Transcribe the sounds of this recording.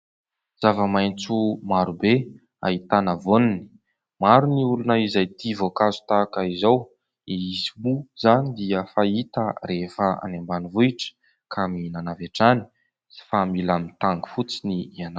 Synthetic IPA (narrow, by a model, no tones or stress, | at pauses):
z̥avəmajnt͡sumaɾube | a̰it̪anəvonini̥ | maɾuniulunəizajt̪ivokazu̥t̪akəizaw | iizibuz̥anid̪iəfait̪əɾefəa̰nambanivuiʈ͡ʂə̥ | kʰaminanaveʈ͡ʂani̥ | familamint̪aŋɡu̥fut͡siniana